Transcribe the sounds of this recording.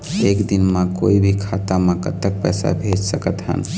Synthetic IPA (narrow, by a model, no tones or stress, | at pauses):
ekd̪inmẽkoibʱikʰat̪amẽkə̰t̪ːək̚pɛjsa̰bʱed͡ʒsəkət̪ɦə̰n